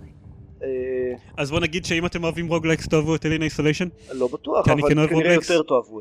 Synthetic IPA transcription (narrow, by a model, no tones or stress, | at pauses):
eazbo̞naɡid̪ʃeimate̞moavimʁoɡlekstoavuat̪elinaisoleʃonlobat̪uakianikɛnoekvoʁlejkeʁt̪oavu